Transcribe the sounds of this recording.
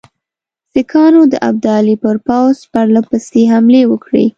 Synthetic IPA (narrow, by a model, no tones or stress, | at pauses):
sɪkʰɑnod̪əʔa̰b̚d̪ɑlipəɾpawzpaɾlapəst̪eɦamlewəkɽḭ